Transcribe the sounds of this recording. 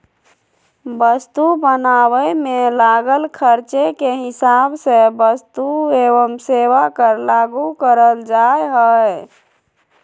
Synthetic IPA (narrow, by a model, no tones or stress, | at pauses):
bəst̪ubənawəmelaɡəlkʰəɾt͡ʃekeɦɪsabsebəst̪ueʋəmseʋakəɾlaɡukəɾəld͡ʒajɦəj